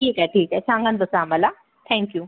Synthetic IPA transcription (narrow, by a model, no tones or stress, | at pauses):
ʈʰiːkɦɛʈʰiːkɦɛt͡ʃʰãːŋɡənd̪osaːmɐla | t̪ʰɛ̃ːŋkjuː